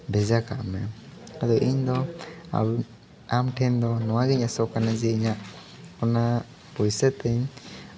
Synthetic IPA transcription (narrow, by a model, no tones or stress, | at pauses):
bɛzakʰa̰ʔmɛad̪ɔʔiɲd̪ɔa̰b | amʈʰɛnd̪ɔnɔwaɡiɲasɔkanazɛiɲaʔ | pɔna | pɔjsɛt̪ɛɲ